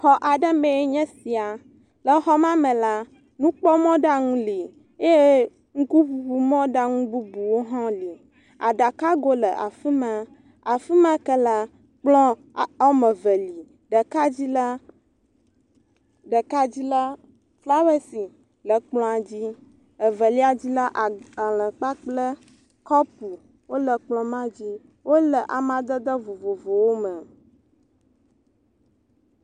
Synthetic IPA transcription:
xɔ˨ʔa˨ɖə˦mɛ̃˨e˦ɲɛ̃˦si˨a˨ | lə˨xɔ˦mã˦mɛ̃˨la˦ | nũ˦k͡pɔ˦mɔ̃˦ɖa˦ŋũ˦li˨ | e˦e˦ | ŋ̩˦ku˦ɸu˨ɸu˨mɔ̃˦ɖa˦ŋũ˦bu˦bu˨wo˦ɦɔ̃˦li˨ | a˨ɖa˨ka˦ɡo˦lə˨ʔa̰˨fi˦mɛ˨ | a˨fi˦mã˦kə˦la˦ | k͡plɔ̃˦˨ | ɔ˦mɛ̃˨və˨li˨ | ɖə˨ka˦d͡ʑi˦la˦ | ɖə˨ka˦d͡ʑi˦la˦ | fla˦wɛ˦si˨ | lə˨k͡plɔ̃˦a˨d͡ʑi˦ | ə˨və˨li˦a˨d͡ʑi˦la˦ʔa˨lə̃˨k͡pa˦k͡plə˦ | kɔ˦p̚u˨ | wo˦lə˨k͡plɔ̃˦mã˦d͡ʑi˦ | wo˦lə˨ʔa˨mã˦d̪ə˦d̪ə˦vo˨vo˨vo˨wo˦mə̃˨

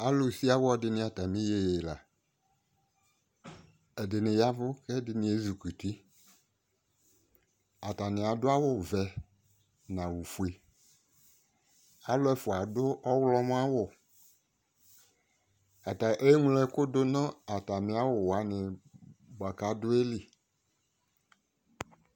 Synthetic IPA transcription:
a˦lo˨si˦a˦wʊ˦ɔ˨dɪ˨nɪ̃˦a˨ta˨mɪ̃˦je˨la˨ | ɛ˨dɪ˨nɪ̃˨ja˦vʊ˦kɛ˦dɪ˨nɪ̃˨e˦zu˨ku˨ti˦ | a˨ta˨nɪ̃˨a˨dʊ˦a˦wʊ˨vɛ˨ | nã˨wu˨fu˨e˨ | a˦lʊ˦ɛ˨fʊ˨a˨dʊ˦ʔɔ˦wlɔ˦mʊ˦a˦wʊ˨ | a˨ta˨ʔe˦ŋu˦lɛ˦kʊ˦dʊ˦nɔ̃˦a˨ta˨nɪ˨a˦wʊ˨wa˨˦nɪ˨ba˨ka˨dʊ˦e˦li˨

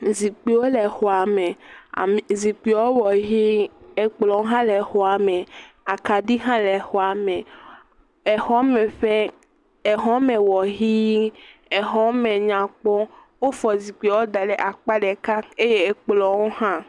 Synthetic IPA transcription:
zi˨k͡pi˨˦wo˦lɛ˨xɔ˨a˨mɛ̃˨a˨zi˨k͡pi˨˦wo˦wɔ˨ɦi˦e˨k͡plɔ˨wo˦ɦã˦lɛ˨xɔ˨a˨mɛ̃˨ | a˨ka˨ɖi˦ɦã˦lɛ˨xɔ˨a˨mɛ̃˨ | ɛ˨xɔ˦mɛ˨ɸe˦ | e˨ɦɔ˦mɛ̃˨wɔ˨ɦi˦ɛ˨ɦɔ˦mɛ̃˨ɲã˨k͡pɔ˦ | wo˦fɔ˨zi˨k͡pi˨ɔ˨˦wo˦d̪a˨ɖɛ˨ʔa˨k͡pa˦ɖɛ˨ka˦e˦je˦e˨k͡plɔ˨wo˦hã˦

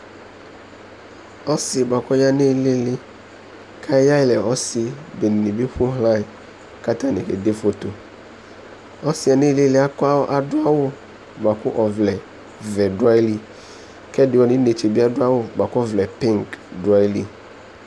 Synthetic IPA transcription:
ɔ˦sɪ˨ba˨kɔ˦ja˦ne˦lɪ˦lɪ˦ | kʰa˦ja˦ɪ˦lɛ˨ɔ˦sɪ˨be˨ni˨nĩ˨bi˦ɸu˦ɦlã˦˨ | ka˦t̪a˦nẽ˨kḛ˨d̪e˦fo˦t̪o˨ | ɔ˦sɪ˨˦a˨nɪ˦lɪ˦lɪ˦a˦kɔ˦a˦wɔ˦ʔa˨dʊ˦a˦wʊ˦ | ba˨kʊ˦ʔɔ˨vlɛ˨ | vɛ˨da˦jli˦˨ | kɛ˦dɪ˨wɔ˦nɪ̃˦ne˨t͡ʃe˨bi˦a˦dʊ˦a˦wʊ˦ba˨kɔ˦vlɛ˨pi˦ŋkda˦jli˦

